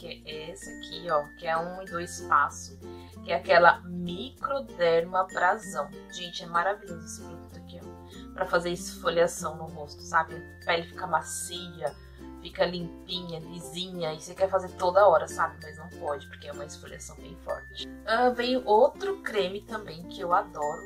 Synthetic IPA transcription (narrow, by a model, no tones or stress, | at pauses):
kɛɛsakʰiɔkɪɛũɪd̪ojɪspasʊ̥ | kɪɛakɛlɐmikɾod̪ɛɾmɐbɾazɐ̃w̃ | ʒẽnt͡ʃɪɛmaɾaviʎozʊesɪmẽkũt̪ʊkɛ̃ | pɾɐfazeɾɪsfolasɐ̃w̃nʊɦost̪ʊ̥sabɪ̃ | pɛlɪfi̥kɐmasiʎɐ | fikɐlĩmpĩɲɐlizĩɲɐɪsekɛɾfazeɾt̪od̪ɐɔɾɐsabɪmɐjznɐ̃w̃pɔd͡ʒɪpʊɾkeɛũmɐɪsfoliasɐ̃w̃bẽj̃fɔ̰ɾt͡ʃɪ̥ | ɐ̃vejʊʔowt̪ɾʊkɾẽmɪt̪ɐ̃mbẽj̃kɪewad̪ɔɾʊ